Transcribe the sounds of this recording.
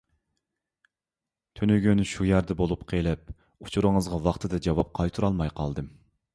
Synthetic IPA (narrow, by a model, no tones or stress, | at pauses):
t̪ʰynyɡʲynʃujæɾd̪ɛbolˠupqʰelɛp̚ | ut͡ʃʰuɾɨŋəzʁɑwɑχt̪ʰɨd̪ɛd͡ʒɑwɑp̚qʰɑjt̪ʰuɾɑlˠmɑjqʰɑlˠd̪ɨm